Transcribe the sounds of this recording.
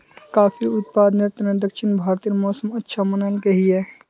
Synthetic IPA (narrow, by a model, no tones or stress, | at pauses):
kaːfiʊt̪̚paːd̪net̪ned̪ɐkʃɪnbʱaːɾt̪iɾmɔːsəmɐtːʃʰamɐnəlkɐɦiɦɛː